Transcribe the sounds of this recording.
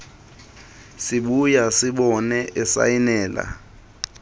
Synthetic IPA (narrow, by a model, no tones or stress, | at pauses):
siɓujasiɓɔnɛʔɛsa̰jinɛːla̰